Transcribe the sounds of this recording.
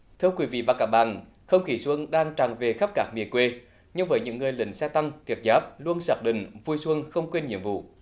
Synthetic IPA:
t̪ʰɨ˧əwkwi˧˨˦vḭ˧˨vaː˨˩kaː˦˥k̚ɓa̰ː˧˨n | xə˧wŋ͡mxi˨˩swə˧əŋnɗaː˧ŋt͡ɕaː˨˩ŋve˨˩xə˦˥p̚kaː˦˥k̚mi˨˩əkwe˧ | ɲɨ˧ŋvəː˨˦jɲɨ̰˧˥ŋːɨ˨˩əjlï˨˩˦ŋ̟sɛ˧t̪a˧ŋt̪ʰi˨˩ət̚zaː˦˥p̚lu˧ənsaː˨˩t̚ɗḭ˧˨˩ŋ̟vu˧jswə˧ŋxə˧wŋ͡mkwe˧nɲḭ˧˨əmvṵ˧˨

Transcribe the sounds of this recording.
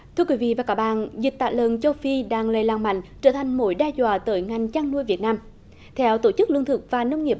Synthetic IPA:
t̪ʰɨ˧əkwi˨˦vḭ˧˨vaː˨˩kaː˨˦˥ɓa̰ː˧˨nzi˨˩k̚t̪a̰ː˧˨lə̰˨˩nt͡ɕə˧wfi˧ɗaː˧˩ŋləː˨˩jlaː˨˩ŋma̰˧˨jŋ̟t͡ɕəː˧˩t̪ʰa˨˩jŋ̟mo˧˦jɗɛ˧zwa̰ː˧˨t̪əː˨˦jŋa˨˩jŋ̟t͡ɕaː˧ŋnu˧əjvi˨˩ət̚naː˧m | t̪ʰɛ˧wt̪o˧˩t͡ɕɨ˦˥k̚lɨ˧ənt̪ʰɨ˨˩k̚vaː˨˩nə˧wŋ͡mŋi˨˩ə

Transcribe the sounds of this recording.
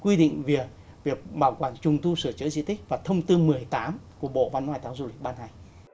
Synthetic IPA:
kwi˧ɗḭ˧˨ŋ̟vi˨˩ək̚ | vi˨˩ək̚ɓaː˧˩wkwaː˧˩nt͡ɕʊ˨˩ŋ͡mt̪u˧sɨ˧˩ət͡ɕəː˨˦zḭ˧˥t̪ʰi˦˥k̟̚vaː˨˩t̪ʰə˧wŋ͡mt̪ɨ˧mɨ˨˩əjt̪aː˨˦mku˧˩əɓo̰˧˨va˧nhwaː˧jt̪aː˨˦wzu˧lï˨˩k̟̚ɓaː˧nha˨˩j

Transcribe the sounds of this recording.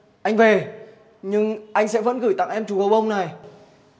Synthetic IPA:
ʔa˧jŋ̟ve˨˩ | ɲɨ˧ŋʔa˧jŋ̟sɛ̰˧˥və̰˧˥nɣɨ˧˩jt̪a̰˧˨ŋʔɛ˧mt͡ɕu˨˩kə˨˩wʔə˧wŋ͡mna˨˩j

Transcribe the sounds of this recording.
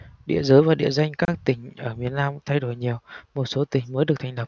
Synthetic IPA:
ɗḭ˧˨əzəː˨˦jvaː˨˩ɗḭ˧˨əza˧jŋ̟kaː˦˥k̚t̪ï˧˩ŋ̟ʔəː˧˩mi˨˩ənnaː˧mt̪ʰa˧jɗo˧˩jɲi˨˩əwmo˨˩t̚so˨˦t̪ï˨˩ŋ̟məː˨˦jɗɨ˨˩ək̚t̪ʰa˧ŋlə˨˩p̚

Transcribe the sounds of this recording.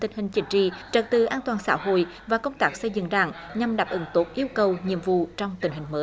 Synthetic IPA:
t̪ï˨˩ŋhï˨˩ŋ̟t͡ɕï˨˦ŋ̟t͡ɕḭ˧˨t͡ɕə˨˩t̚t̪ɨ˨˩ʔaː˧nt̪waː˨˩nsa̰ː˧˥ɦo̰˧˨jvaː˨˩kə˧wŋ͡mt̪aː˦˥k̚sə˧jzɨ̰˧˨ŋɗa̰ː˧˩ŋɲa˨˩mɗaː˨˩p̚ʔɨ˨˦ŋt̪o˨˦˥t̚ʔi˧əwkə˨˩wɲḭ˧˨əmvṵ˧˨t͡ɕɔ˧wŋ͡mt̪ï˨˩ŋ̟ɦï˨˩ŋməː˨˦j

